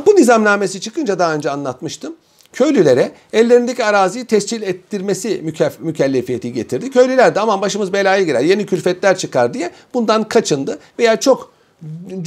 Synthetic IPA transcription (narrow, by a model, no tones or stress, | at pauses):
bunizamlʲaːme̞sit͡ʃʰɯkʰɯnd͡ʒad̪aɦaːø̞nd͡ʒɛanlˠat̪mɯʃt̪ʰɯm | cʰø̞jlʲylʲe̞ɾɛ | ɛlʲːe̞ɾind̪e̞cʰiaɾaːzijt̪ʰɛst͡ʃilʲɛt̪ːiɾme̞simmycʰɛlʲːefijet̪ʰiɟe̞t̪ʰiɾd̪icʰø̞jlʲylʲæɾd̪iamanbaʃɯmɯzbe̞lʲaːjɯɟiɾæ̰ɾje̞nicʰylʲfɛt̪lʲæɾt͡ʃʰɯkaɾd̪ijɛb̥und̪ankʰat͡ʃʰɯnd̪ɯve̞jaːt͡ʃʰo̞k